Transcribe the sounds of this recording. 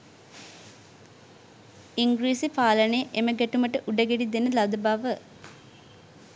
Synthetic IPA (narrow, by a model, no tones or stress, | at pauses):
iŋɡɾiːsipaːlənejəʔeməɡæʈuməʈəʔuɖəɡeɖid̪enəlad̪əbaʋə